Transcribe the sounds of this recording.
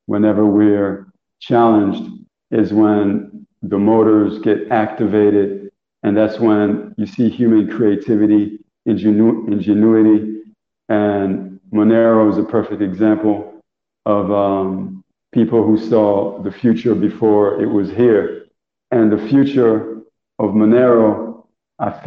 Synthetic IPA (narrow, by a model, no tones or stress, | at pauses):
wʔə̃nɛvə˞wɪɹ | t͡ʃʰælˠə̃nd͡ʒd | ɪzwə̃n | ðəmoʊɾə˞zɡɛɾæk̚tɨveɪɾɪd | ɨ̃nðætswə̃njɨsihjʉmɨ̃nkʰɹ̥ieɪtʰɪvɨɾi | ɪ̃nd͡ʒɨɪ̃nd͡ʒɨnʉɨɾi | ɨ̃nmənɛɹoʊzɨpʰɜ˞fɪk̚tɨɡzæ̃mpl̩ˠ | ʌvʌ̃m | pʰipl̩ˠhusɔðɨfjʉt͡ʃə˞bɨfɔɹɪ̰ʔ̚wʌz̥hiɹ | ɨ̃nðɨfjʉt͡ʃə˞ | ʌvmənɛɹoʊ | aɪ